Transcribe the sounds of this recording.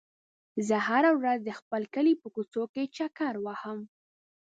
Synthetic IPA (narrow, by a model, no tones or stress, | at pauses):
zəhaɾawɾazd̪əxpəlkəlipəkut͡soket͡ʃakaɾwahəm